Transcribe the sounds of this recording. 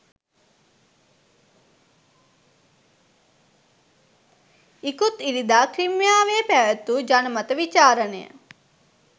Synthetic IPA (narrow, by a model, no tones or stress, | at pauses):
ikut̪iɾid̪aːkɾimjaːʋeːpæʋæt̪ːud͡ʒanəmɐt̪əʋit͡ʃaːɾənḛjə̰